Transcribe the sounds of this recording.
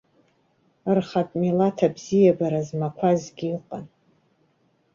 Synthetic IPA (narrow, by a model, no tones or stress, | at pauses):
ɨrχapʼmilatʰabzijabaɾazmakʷʰazɡʲiiqʼa̰n